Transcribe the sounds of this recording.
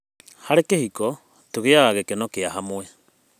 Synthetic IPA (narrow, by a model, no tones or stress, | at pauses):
haɾekehiko | toɡeaaɡekenokeaɦamoe